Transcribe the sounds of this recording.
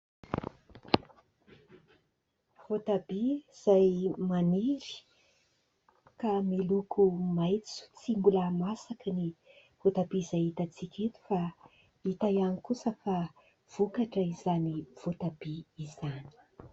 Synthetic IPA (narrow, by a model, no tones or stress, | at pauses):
vot̪abiz̥ajmaniɾi̥ | kamilukʰumajt͡su̥t͡simbulamasakəni | v̥ot̪abizajit̪at͡sikʲet̪u̥fa | it̪ajanikusəfa | v̥ukaʈ͡ʂəizaniv̥ot̪ab̥iizani̥